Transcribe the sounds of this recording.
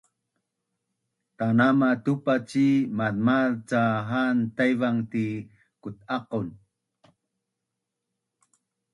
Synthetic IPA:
t̪anamat̪upat͡ɕimaðmalt͡saɦant̪ajvaŋti | kut̪̚aqun

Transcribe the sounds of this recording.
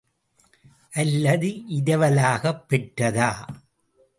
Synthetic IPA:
ʔɐlːɐðɯʔɪðɐʋɐlaːɣɐpːɛʈrɐðaː

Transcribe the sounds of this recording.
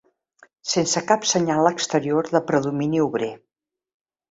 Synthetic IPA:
sensəkapsəɲalˠəkst̪əɾioɾðəpɾəðuminiuβɾe

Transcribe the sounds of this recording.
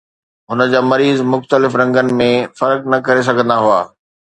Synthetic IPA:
ɦʊnə̆d͡ʑaːmɐɾiːzmʊxt̪əlɪfɾɐ̃ŋɡənɪ̆mẽfɐɾknɐkɐɾes̬ɐɡʱə̃nd̪aɦua̰ː

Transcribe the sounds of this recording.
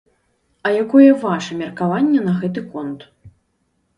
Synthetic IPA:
ɐjakɔjɛvaʂɐmʲɛrkavanʲːɛnɐɣɛt̪̬ɨkɔnt̪

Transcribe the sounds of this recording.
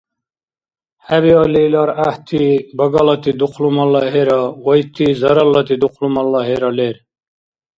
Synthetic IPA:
hæbiɑlilɑɾaht̪ʰibɐɡɑlɑt̪id̪uqʰlumɐlːɑɦeɾɑwɔjt̪ʰizɐɾɑlːɑt̪id̪uqlumɑlːɑheɾɑleɾ

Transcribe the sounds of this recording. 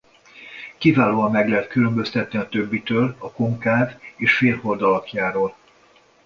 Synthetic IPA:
kivaːloːɒmːɛɡlɛɦɛt̪kylømbø̞st̪ɛt̪̚niɒt̪ø̞bːit̪øːlɒkoŋkaːveːʃfeːlho̞rd̪ɒlɒkjaːɾoːl

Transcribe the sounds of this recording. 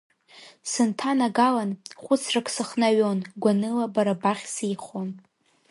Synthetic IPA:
sɨntʰanaɡalanχʷʊt͡sʰrakʰʼsɨχnaɥonɡʷanɨlabaɾabaχʲsejχon

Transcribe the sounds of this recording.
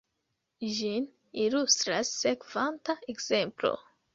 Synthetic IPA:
ʒin | ilustɾasːekv̥antaekz̥e̞mplo̰

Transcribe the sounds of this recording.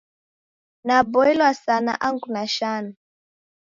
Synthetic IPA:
nabɔɛlwasana̰ʔaŋɡunaʃanu

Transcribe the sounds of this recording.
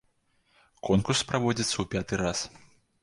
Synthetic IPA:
kʰɔnkurspɾavɔd͡zʲit̪sɐwpʲat̪ɨras

